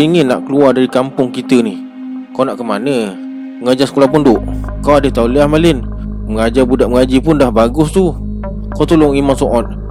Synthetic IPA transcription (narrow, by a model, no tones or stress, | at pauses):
iŋɪnːa̰ʔkəluardaɾikampʊŋkit̪ənɪh | kawnaʔkəmanə | məŋad͡ʒasə̥kolahpundʊʔkawadəht̪auliahmalɪnməŋad͡ʒabudaʔ̚məŋad͡ʒipʊndahbaɡʊst̪u | kawt̪ulʊŋimansoʔɔt̪̚